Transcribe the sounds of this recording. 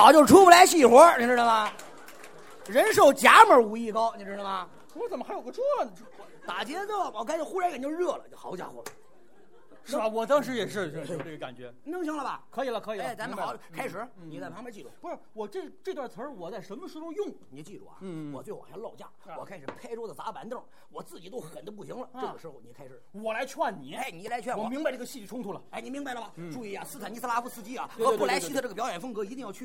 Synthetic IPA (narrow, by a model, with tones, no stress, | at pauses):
ɑ˧˩t͡ɕjo˥˧ʊʂ̩˧ʈ͡ʂʰu˥pu˧˥˩la˧˥ɪɕi˥˩xwɔ˧˥ni˧˩ʈ͡ʂɻ̩˥˩d̪ə˩mɐ˨˩ | ɻə˧˥nʂ̬o˥˩ʊt͡ɕja˧˥mə˞˧˥u˧˥˩i˥˩kɑ˥ʊni˨˧˩ʈ͡ʂɻ̩˥˩ə˧˩mɐ˨˩ | wɔ˧˥t͡sə˨˩məxa˧˥jo˨˩ʊɡə˧ʈ͡ʂʰwɔ˥˨˩n˥˧t̪a˨˩t͡ɕjɛ˧˥t͡so˥˩˨kʰa˥t͡ɕo˥˩xu˥ɻa˧˥nknt͡ɕo˥˧ʊɻɤ˥˩lə̰˩t͡ɕo˥˩xɑ˧˥ʊt͡ɕja̰˧˩xwɔ̰˧˥˩l | ʂ̩˥˩˧wɔ˨˩t̪ɑ˥ŋʂ̬ɻ̩˧˥jɛ˨˩ʂɻ̩˥˧˥e˥˩ʈ͡ʂɡə˧ka̰˨˩nt͡ɕɥɛ˧˥ni˧˥ŋɕ̬ŋlə˧˨bɐ̰˨˩kʰɤ˧˥i˨˩lə˦˧kʰɤ˧˥i˨lt͡sa˧˥n̩˥xɑ˧˥˦kʰa˥ɪʂɻ̩˧˥ | ni˨˥t͡sa˥˩fmə˧˥t͡ɕi˥˩ʈ͡ʂu˧˥˩pʂ̩˥˩wɔ˨˩ʈ͡ʂɤ˥˩ʈ͡ʂɤ˥˧t̪wa˥˩t͡sʰə˧˥wɔ˨˩t͡sa˥˩ɪʂə˧˥nmə˧ʂɻ̩˧˥ʈ͡ʂʰʊ˧ŋjʊ˥˩ŋni˨˩ə˦t͡ɕi˥˩ʈ͡ʂṵ˥˩ɐ̰˨˩wɔ̰˨˩t͡swɪ˩wɑ̰˨˩jlɑ˥˧ʊt͡ɕja̰˥˩wɔ˨˩kʰa˥ɪʂɻ̩˨˩˦pʰa˥ɪʈ͡ʂo˥d̪ə˨˩t͡sa˧˥pa˧˥nd̪ə˥˩ | wɔ˨˩t͡sɹ̩˥˩t͡ɕi˨˩t̪o˥ʊxə˨˩nd̪ə˥pu˥˩ɕi˧˥ŋlə˨ɤ˩˥˩ɡə˩ʂɻ̩˧˥xo˧˩ni˨˩kʰa˥ɪʂɻ̩˨˩˥wɔ˨˩la˧˥ɪt͡ɕʰwa˥˩nni˨˩˦ni˨˩˥la˧˥t͡ɕʰwwɔ˧˩mi˧˥ŋba˧ɪʈ͡ʂɤ˥˩ə˧ɕi˥˧t͡ɕɛ˧˩ʈ͡ʂʰʊ˥ŋt̪ʰu˧˥lə˨˩˥ɪni˨˩mi˧˥ŋba˧ɪlə˩bɐ˨˩ʈ͡ʂu˥˧i˥˩ja˨˩sɹ̩˥t̪ʰa˨˩ni˥˩s̩˥la˥fu˧˥˩sɹ̩˥˧t͡ɕi˥ɐ̰˨˩˧pu˥˩la˧˥ɪt͡ɕi˥˧˥ʈ͡ʂɤ˥˩ɡpjɑ˧˥ʊjɛ˨˩nfə˥ŋkɤ˧˥i˧˥i˥˧jɑ˥˧t͡ɕʰy˥